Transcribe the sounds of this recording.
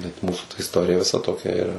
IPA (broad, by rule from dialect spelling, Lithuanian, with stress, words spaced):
bʲɛt ˈmuːsʊ tɐ ɪsˈtoːrʲɪjɛ ʋʲɪˈsɐ toːˈkʲɛ ɪˈrɐ